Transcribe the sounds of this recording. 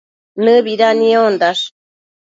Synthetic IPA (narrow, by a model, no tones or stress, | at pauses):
nɨβiɾaniond̪aʂ